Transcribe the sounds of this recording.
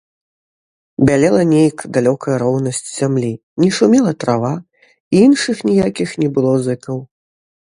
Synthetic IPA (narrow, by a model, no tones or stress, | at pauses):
bʲalʲɛlˠɐnʲejkd̪alʲɔkɐjɐɾɔwnɐsʲt͡sʲz̥ʲamlʲi | nʲɛʂumʲɛlˠɐt̪ɾava | iinʂɨxnʲijakʲixnʲɛbɨlˠɔzɨkɐw